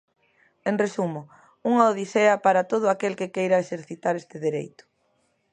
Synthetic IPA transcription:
eŋresumʊ | uŋaoðiseɐpaɾɐt̪oð̞ʊakelkɪkejɾɐeseɾθit̪aɾest̪ɪðeɾḛjt̪ʊ̥

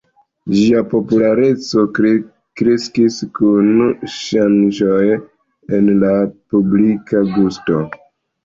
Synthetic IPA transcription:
d͡ʒiapo̞pulaɾe̞t͡so̞ | kɾeskiskunʃand͡ʒo̞j | e̞nlapublikaɡusto̞

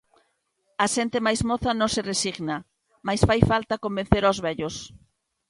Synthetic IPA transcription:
ɐʃɛnt̪ɪmajzmoθɐnõŋsɪresiɣna | majsfajfalt̪akombẽn̟θeɾawzβɛʎos

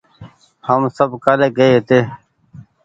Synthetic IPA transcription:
həmsəbkaleːɡəet̪eː

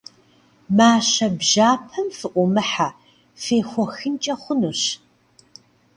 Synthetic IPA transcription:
maːɕɐbʒaːpʰɐmfɨʔʷɔmɨħa | feːxʷɔxɨnt͡ʃʼɐχʷʊnuɕ

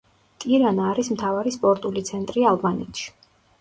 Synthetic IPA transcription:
t̪ʼiɾanaɾismt̪ʰavaɾispʼɔɾt̪ʼulit̪sʰɛnt̪ʼɾialˠbanɛ̰t̪ʰʃi̥

